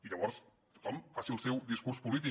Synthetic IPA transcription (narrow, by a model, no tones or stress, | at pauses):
iʎəβɔɾs | t̪u̥t̪ɔmfasiəlˠsɛwd̪iskuɾspulit̪̬i